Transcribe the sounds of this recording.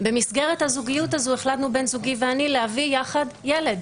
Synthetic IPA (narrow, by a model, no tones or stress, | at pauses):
bemisɡe̞ʁethazuɡijutazue̞χlatnube̞nzuɡiveanilehavijaχadjele̞d